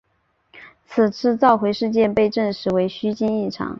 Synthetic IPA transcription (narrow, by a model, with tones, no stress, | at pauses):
t͡sʰɹ̩˨˩t͡sʰɹ̩˥t͡sɑ˥˩ʊxwe˧˥ɪʂɻ̩˥˧t͡ɕjɛ˥˧npe˥˧ɪʈ͡ʂə˥˩nʂɻ̩˧˥we˧˥ɪɕy˥t͡ɕi˥ni˥˩ʈ͡ʂʰɑ̰˧˥˦ŋ